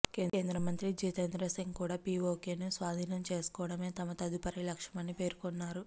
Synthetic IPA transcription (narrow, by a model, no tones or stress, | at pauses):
keeːnd̪ɾɐmɐnt̪ɾid͡ʒiːt̪end̪ɾɐsiŋɡkuːɽaːpiːʋoːkeːnusʋaːd̪ʱiːnɐmt͡ʃe̞ːsu̥kɔːʋɐɽɐme̞ːt̪ɐmɐt̪ɐd̪upɐɾilɐkʂɐmɐnːipe̞ːɾukonːaːɾu